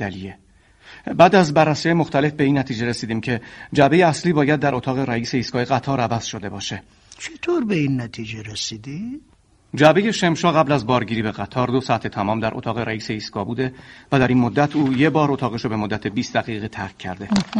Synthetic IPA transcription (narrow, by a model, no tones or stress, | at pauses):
ælije | bæːd̪æzbærːæsijɒjemoxt̪ʰæle̞fbe̞iːnːæt̪ʰiːd͡ʒe̞ɾesiːd̪iːmcʰe̞d͡ʒæbe̞jeæsliːbɒːjæd̪ːæɾʔo̞t̪ʰɒːɣe̞ɾæiːse̞iːskɒːje̞ɣæt̪ʰɒːɾævæz̥ʃo̞d̪e̞bɒːʃe | t͡ʃʰet̪ʰoɾbeinːæt̪ʰid͡ʒeɾesiːd̪i̥ | d͡ʒæbe̞je̞ʃe̞mʃɒːɣæblæzbɒːɾɟiːɾiːbe̞ɣæt̪ʰɒːɾd̪osæt̪ʰe̞t̪ʰæmɒːmd̪æɾʔo̰t̪ɒːɣe̞ɾæiːseiːskɒːbuːd̪e̞væd̪æɾiːnmod̪ːæt̪ʰuːjebɒːɾo̞t̪ʰɒːɣeʃobe̞mod̪ːæt̪ʰebiːst̪d̪æɣiːɣet̪ʰæɾcʰːæ̰ɾd̪e̞